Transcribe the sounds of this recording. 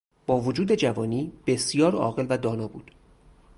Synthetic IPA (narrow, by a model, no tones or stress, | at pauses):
b̥ɒːvod͡ʒuːd̪e̞d͡ʒævɒːniːb̥e̞sjɒːɾɒ̰ːɣe̞lvæd̪ɒːnɒːbṵːd̪̥